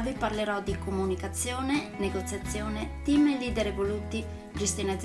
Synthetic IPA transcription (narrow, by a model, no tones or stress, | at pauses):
vipaɾleɾɔd̪ikomunikat̪sːjɔːneneɡot̪sːjat̪sːjɔːnet̪iːmeliːd̪eɾevolut̪i | kɾist̪inad̪z